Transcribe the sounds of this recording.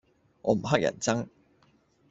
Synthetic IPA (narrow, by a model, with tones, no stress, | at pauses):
ʔɔ̰ː˨˧m̩˨˩ɦɐ˥k̚jɐ̰˨˩nt͡sɐ˥ŋ